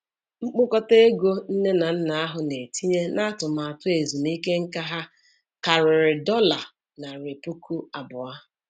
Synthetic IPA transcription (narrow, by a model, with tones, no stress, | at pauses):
ŋ͡m̩˦k͡pʊ˦kɔ˦te˦ɡo˦n̩˦ne˦na˨n̩˦na˨a˦ɦʊ˨ne˨ti˦ɲe˦na˦tʊ˨ma˨a˨tʊ˦e˨zu˨ni˦ke˦ŋ̩˦ka˦ɦa˦ | ka˨ɾɪ˨ɾɪ˨dɔ˦la˨ | na˨ɾe˨pu˦ku˦a˨bʊ˨a˦